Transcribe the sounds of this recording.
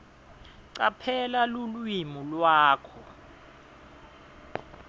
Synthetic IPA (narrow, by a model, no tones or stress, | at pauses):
ǀapʰɛlalulwimulwaːkʰɔ